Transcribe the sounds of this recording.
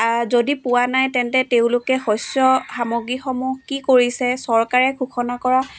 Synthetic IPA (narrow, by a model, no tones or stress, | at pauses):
zodipʊwanajtɛntɛteʊ̃lʊkɛxɔsɔxamoɡɹixɔmukikoɹisɛsɔɹkaɹɛkʰukʰɔnakɔɹa